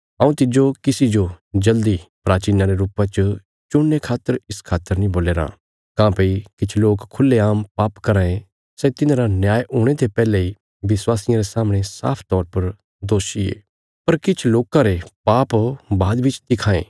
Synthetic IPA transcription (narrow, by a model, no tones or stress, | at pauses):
ãːũt̪ɪd͡ʒokɪsid͡ʒod͡ʒɐld̪ipɾaːt͡ʃiːnãɾeɾuːpãt͡ʃ | t͡ʃʊnːekʰaːt̪ːəɾɪskʰaːt̪ːəɾnĩboːleːɾa̰ː | kãːpeikɪt͡ʃʰloːkkʰʊlːeaːmpaːpkɐɾãːẽ | sɛt̪ɪnãɾanjaːjʔuːɽ̃et̪ʰepɛːlei | ʋɪswaːsɪjãɾesaːmɽ̃esa̰ːpʰt̪ɔːɾpɐɾ | d̪oːʃiḛː | pɐɾkɪt͡ʃʰloːkãɾepaːpbaːd̪bɪt͡ʃt̪ɪkʰaːḛ̃ː